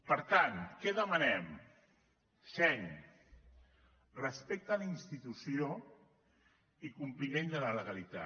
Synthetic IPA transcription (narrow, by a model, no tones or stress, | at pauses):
pəɾt̪ankɛðəmənɛm | sɛɲ | rəspek̚t̪əːlinst̪it̪usio | ikumplimend̪ələləɣalit̪a